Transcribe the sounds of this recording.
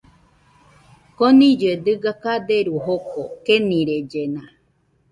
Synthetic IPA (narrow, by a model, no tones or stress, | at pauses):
konĩd͡ʒed̪ɨɡakad̪eɾuɦokokenĩɾed͡ʒenã